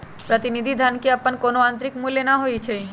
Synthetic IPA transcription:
pɾot̪inid̪ʱid̪ʱankeapːankonoant̪ɾikmulenaɦojet͡ɕʰej

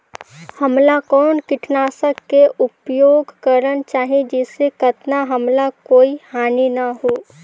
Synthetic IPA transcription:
həmlakɔːnkɪʈʰnaːsəkːeʔʊpjoːɡʱkəɾənt͡ʃaːɦied͡ʒɛːsekət̪naɦəmlakoːihaːninaɦoː

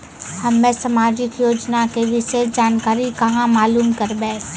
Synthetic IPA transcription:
hɐmːẽsɐmaːd͡ʒɪkjoːd͡ʒnakeʋɪsed͡ʒaːnkaːɾikɐɦãmaːluːmkɐɾbẽː

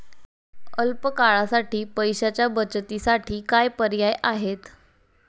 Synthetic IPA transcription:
əlpəkaɭasaʈiːpəjɕat͡ɕjabət͡ɕt̪isaʈʰiːkajpəɾjajaɦet̪

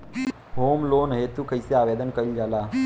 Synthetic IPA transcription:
ɦoːmloːnɦet̪ukəjseaːʋed̪ənkəɾild͡ʒalaː

